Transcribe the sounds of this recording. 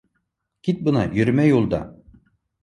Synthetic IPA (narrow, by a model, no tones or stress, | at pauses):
kʲit̪̚bɤnɑjɵɾmæjulˠd̪ɑ̰